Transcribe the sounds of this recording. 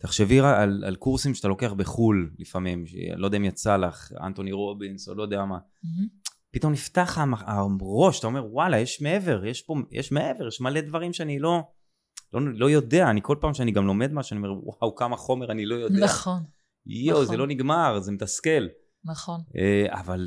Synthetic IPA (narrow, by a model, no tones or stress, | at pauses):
t̪aχʃeviaala̰lkuʁsimʃeat̪alo̞keaχbeχullifamimʃḛlod̪aimjat͡salaχa̰nt̪oniʁo̞binsolo̞jd̪eama | pit̪o̞mnift̪aχamaaʁo̞ʃat̪ao̞me̞ʁwalajeʃmeeve̞ʁjeʃpo̞jʔḛʃme̞ʔeveʁjeʃmale̞d̪vaʁimʃeanilo̞ | lolo̞jo̞d̪e̞aːniko̞lpaːmʃeaniɡamlo̞me̞d̪maʃaniomeʁwawkamaχo̞meʁanilo̞jo̞dean | juzelo̞niɡmaʁzemet̪aske̞l | naχonea̰val